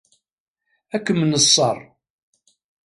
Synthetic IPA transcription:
ækːəmənəsˤːɑ̰rˤ

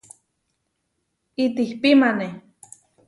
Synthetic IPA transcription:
it̪ihpimane

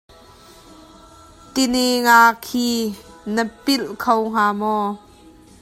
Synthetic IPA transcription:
kɪniŋaːkʰiː | nəpɪlkʰowŋ̥aːmɔː

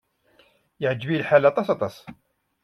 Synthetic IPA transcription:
jəʕd͡ʒbilħalæt̪ˤɑsɑt̪ˤɑs

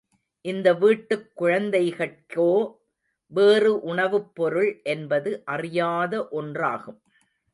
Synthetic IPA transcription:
ʔɪnd̪ɐʋiːʈːɯkːʊɻɐnd̪ɐɪɣɐkoː | ʋeːrɯʔʊɳɐʋɯpːɔɾɯɭʔɛnbɐðɯʔɐrɪjaːðɐʔɔndra̰ːɣɯm

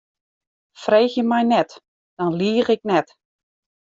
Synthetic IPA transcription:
freːxjəmɛjnɛt | d̥ɔnliərɪknɛt

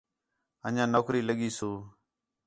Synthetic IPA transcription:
əɲãːnoːkɾiːləɠiːsoː

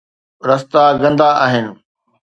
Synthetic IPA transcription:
ɾɐst̪aɡɐ̃nd̪aʔaːɦɪnɪ̆

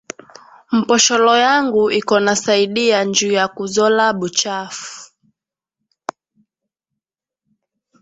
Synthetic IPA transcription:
m̩pɔʃɔlɔjaŋɡuʔikɔnasaiɗiand͡ʒujakuzɔlaɓut͡ʃafu̥

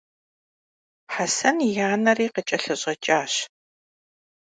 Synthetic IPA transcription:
ħasɐnjaːnɐriːqət͡ʃʼɐɬɐɕʼɐt͡ʃʼaːɕ

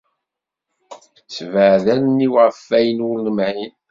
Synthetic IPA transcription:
svəʕðænnːiwʁfːæjənʊlnəmʕin

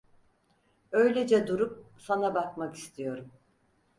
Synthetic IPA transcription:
ø̞jlʲed͡ʒɛd̪uɾup̚sanabakmaki̥st̪ʰijo̞ɾum

